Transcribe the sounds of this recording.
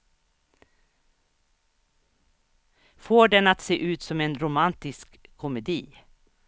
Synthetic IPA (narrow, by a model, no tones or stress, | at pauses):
foːɖɛnat̪seːʔʉ̟ːt̪sɔmɛnɾʊmant̪ɪskʰːɔmɛd̪iː